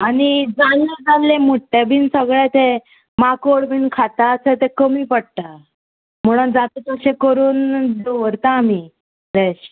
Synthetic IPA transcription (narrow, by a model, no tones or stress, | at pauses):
aɽ̃id͡zalːed͡zanlẽmuʈʈːebʱiːnsəɡɭɛt̪e | makoɽbʱiːnkʰat̪at͡set̪ekəmiːpəɽ̚t̪a | m̤əɽ̃ond͡zat̪et͡səɕẽkəɾuːndoʋəɾt̪aːmi | d̪eɕ